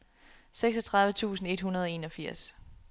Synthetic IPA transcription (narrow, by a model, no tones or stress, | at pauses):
seɡ̥sɒ̽t͡sʰʁɑ̈ðˠʋət͡sʰṵːsn̩e̝d̥ɦunɐð̞ˠɒ̽e̝ːnɒ̽fiɐ̰s